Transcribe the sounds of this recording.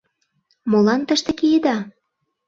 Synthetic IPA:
molɑnt̪ə̆ʃt̪ĕkijed̪ɑ

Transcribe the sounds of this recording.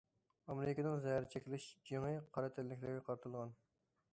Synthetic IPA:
ɑmeɾɾɪkʲɪnɪŋzɛjæɾɪt͡ʃʰekʲilɪʃd͡ʒeŋɨqʰɑɾɨt̪ʰɪllːɪkʲlɪɾɡʲɛqʰɑɾt̪ʰulˠʁɑn

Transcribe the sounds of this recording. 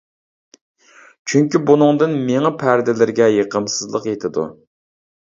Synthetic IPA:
t͡ʃʰyŋkʲibunɨŋd̪ɨnmeŋɑpʰæɾd̪ɪlɪɾɡʲɛjeqʰəmsɨzlˠəqjet̪ʰɪd̪ṵ

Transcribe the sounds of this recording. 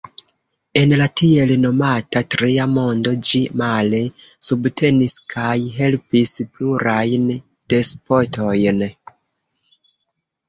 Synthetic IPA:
e̞nlatie̞lno̞matatɾiamo̞ndo̞d͡ʒimale̞ | subtʰe̞niskʰajɦe̞lpispluɾajn | d̥e̞spo̞to̞jn

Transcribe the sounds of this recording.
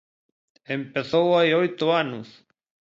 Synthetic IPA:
empeθowajojt̪oanus

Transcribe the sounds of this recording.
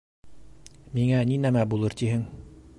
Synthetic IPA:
miŋæninæmæbulˠɤɾt̪iɦɘŋ

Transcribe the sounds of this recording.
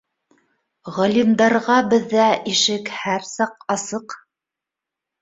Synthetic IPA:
ʁɑlʲimd̪ɑɾʁɑbɘ̆ðːæiʃɘkhæɾsɑqɑsɤq

